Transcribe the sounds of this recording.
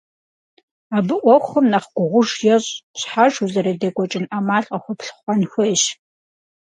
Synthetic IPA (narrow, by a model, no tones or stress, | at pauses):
aːbɨʔʷɔxɐmnaχɡʷʊʁʷʊʒjɛʑɕħaʒuzɐɾɐdeɡʷɔt͡ʃʼɪnʔamaːɬʼqɐxʷʊpɬχʷɑnxʷɔɕ